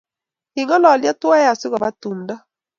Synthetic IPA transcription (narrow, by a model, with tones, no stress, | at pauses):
i˨ŋɔ˦lɔ˨lja˦twa˦ja˨si˦ɣɔ˨βa˦tu˨nda˦